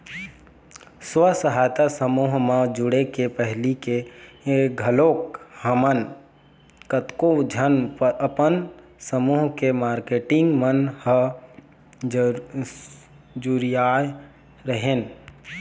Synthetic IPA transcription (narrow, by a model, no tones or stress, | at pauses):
swəsəɦaːjt̪asəmuːɦmãd͡ʒʊɽekepəɦlike | ɡʱəloːkhəmən | kət̪kod͡ʒʱənpəəpənsəmuːɦkemaːɾkeːʈɪ̃ŋɡmənhə | d͡ʒuɾijaːj | ɾəɦeːn